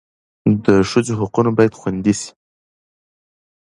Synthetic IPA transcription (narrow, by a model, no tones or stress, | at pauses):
d̪əʃəzoɦaqunobɑjad̪xwand̪isi̥